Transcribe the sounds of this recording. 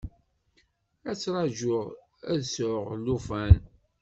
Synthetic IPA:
æt͡sːɾˤɑʒʊʁ | æ̰ðsʊʁlufæn

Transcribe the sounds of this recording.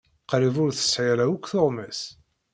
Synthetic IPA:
qɾivʊɾθə̥sʕæɾæwəkʷːθoʁmæs

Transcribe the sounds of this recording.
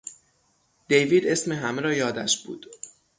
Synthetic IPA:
d̪̥e̞jviːd̪e̞sme̞ɦæmeɾɒːjɒːd̪æʃb̥ṵːd̪̥

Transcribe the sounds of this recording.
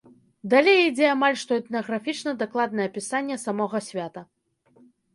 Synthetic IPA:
d̪alʲejid͡zʲɛamalʲʂt̪ɔɛt̪nɐɣɾafʲit͡ʂnɐd̪aklˠad̪nɐjɐpʲisanʲːɛsamɔɣɐsʲvʲat̪ɐ

